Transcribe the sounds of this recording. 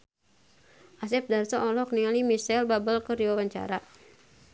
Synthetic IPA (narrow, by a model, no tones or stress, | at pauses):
ʔas̬ɛp̚darsɔʔɔlɔkniŋalimisɛlbabəlkəɾiwawaɲt͡ʃa̰ɾa